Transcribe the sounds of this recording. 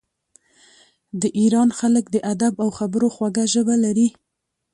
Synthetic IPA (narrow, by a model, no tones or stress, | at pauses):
d̪əʔiɾɑnxaləkd̪əʔad̪abawxabəɾoxwaɡaʒəbalaɾi